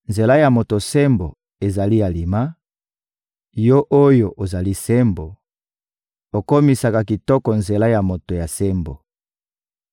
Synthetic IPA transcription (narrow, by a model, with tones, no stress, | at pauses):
nze˨la˦ja˨mo˨to˨sɛ˦mbo˨ | e˨za˨li˦ja˨li˨ma˦ | jo˦ʔo˦jo˨ʔo˨za˨li˦se˦mbo˨ | o˨ko˦mi˨sa˨ka˨ki˨tɔ˦kɔ˨nze˨la˦ja˨mo˨to˨ja˨se˦mbo˨